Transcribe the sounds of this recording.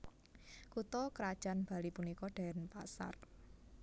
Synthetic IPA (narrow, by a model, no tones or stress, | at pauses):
kut̪ɔkɾad̥ʒ̥a̤nb̥a̤lipunikɔɖ̥a̤npasa̰r